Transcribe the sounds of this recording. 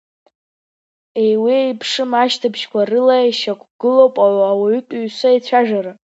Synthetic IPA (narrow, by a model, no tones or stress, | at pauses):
ejwijpʰʂɨmaʃtʰabʃkʷarɨlaʃakʷʰʼɡ̥ɨlowpʼawawaɥtʷʼɥsʷait͡ɕʷʰaʒaɾa